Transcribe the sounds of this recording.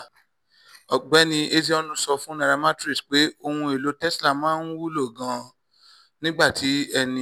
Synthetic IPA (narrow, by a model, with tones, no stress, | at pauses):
ɔ˨ɡ͡bɛ˨˦nĩ˧ʔe˧zi˧˦ɔ˦˧nũ˦sɔ˧fũ˦nã˨˧ɾa˧ma˦tɾi˦˨sk͡pe˦o˧hũ˧e˨lo˨˦tɛ˦sla˦˨mãː˦n˦wu˦lo˦˨ɡã˨˧ | nĩ˦ɡ͡ba˦˨tʰi˨˦ɛ˧nĩ˧